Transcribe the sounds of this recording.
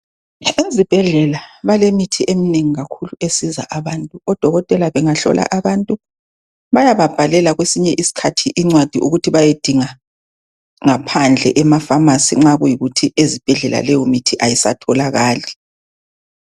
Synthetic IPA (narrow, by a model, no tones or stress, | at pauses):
ezib̥ʱɛɮɛlaβalemitʰiʔemineŋiɣakʰuluesiza̰ʔaβaːntʼuɔd̥ʱɔɣɔtʼɛlaβɛŋaɬɔ̰lʔa̰ʔaβantʼu | βajaβab̥ʱalɛlaɣwesiɲɛʔisi̥kʰatʰiʔiŋ͡ǀwad̥ʱiʔuɣutʰiβajed̥ʱiŋa | ŋapʰand͡ɮʱɛ̰ʔɛmafamasḭŋ͡ǁaɣujiɣutʰiezib̥ʱɛɮɛla̰lɛjomitʰiʔajisa̰tʰɔlaɣaːli